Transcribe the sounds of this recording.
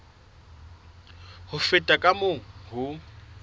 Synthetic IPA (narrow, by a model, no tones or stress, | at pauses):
hʊfɪtʼakʼamoɦʊ